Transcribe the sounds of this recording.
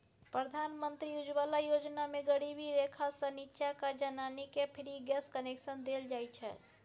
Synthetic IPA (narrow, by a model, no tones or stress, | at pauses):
pɾəd̪ʱanmənt̪ɾiud͡ʒbalajod͡ʒnameɡəɽibiɾekʰasə̃nitːʃakad͡ʒənanikepʰiɾiɡɛskəneksənd̪eld͡ʒajt͡ʃʰɛ